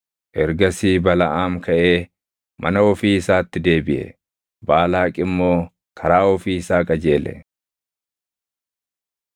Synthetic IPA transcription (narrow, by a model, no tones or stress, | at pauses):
ʔɛɾɡɐsiːbɐlɐʔaːmkʰɐʔe̞ː | mʔɐ̰nɐɔfiːɪsaːt̪ːɪd̪e̞ːbɪʔɛ̰ | baːlaːkʼɪmːo̞ː | kʰɐɾaːɔfiːɪsaːkʼɐd͡ʒe̞ːlɛ̰